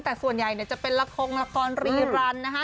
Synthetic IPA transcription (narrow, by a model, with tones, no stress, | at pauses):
ŋt̪ɛː˨˩su˨˩ənja˨˩jni˧˥˩ɐt͡ɕa˨˩pe˧nla˧˥kʰːoː˧ŋla˦˧kʰɔː˧˥nɾiː˧ɾaː˧˥nːa˦˥kʰa˦˥